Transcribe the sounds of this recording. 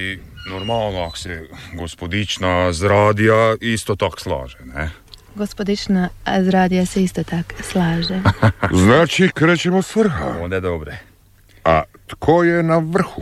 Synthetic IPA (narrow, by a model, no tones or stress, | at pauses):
inoɾmaːlˠnoako̥seɡospod̪it͡ʃnazɾaːd̪ijaist̪ot̪akslˠa̰ːʒene | ɡospod̪it͡ʃnazɾaːd̪ijaseist̪ot̪akslaːʒeznaːt͡ʃikɾeːt͡ʃemosʋr̩xa̰oːnd̪ed̪obɾe | at̪kʰojenaʋr̩xu